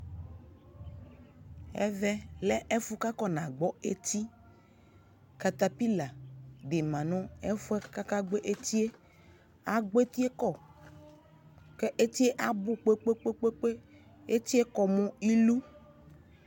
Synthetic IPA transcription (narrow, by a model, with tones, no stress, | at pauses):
ɛ̰˦vɛ˦lɛ˦e˦fu˦ka˦kɔ˦nã˨ɡ͡bɔ˦e˦t̪i˦ | ka˨t̪a˦pi˦la˨ɖe˨mã˨nɔ̃˦e˦fu˦e˦ka˦ka˦ɡ͡be˦ʔe˦t̪i˦e˦ | a˦ɡ͡be˦t̪i˦e˦kɔ˦˨ | ke˦ʔe˦t̪i˦e˦ʔa˦bu˦k͡pe˦k͡pe˦k͡pe˦k͡pe˦k͡pe˦ | e˦t̪i˦e˦kɔ˨mɔ̃˨i˦lu˦